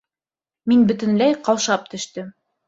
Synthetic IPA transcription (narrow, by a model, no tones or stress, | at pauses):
minbɵ̆t̪ɵ̆nlæjqɑwʃɑp̚t̪ɵ̆ʃt̪ɘm